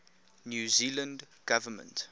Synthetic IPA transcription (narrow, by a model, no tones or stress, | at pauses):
njuːzilə̃nd | ɡ̥avəmə̰̃nt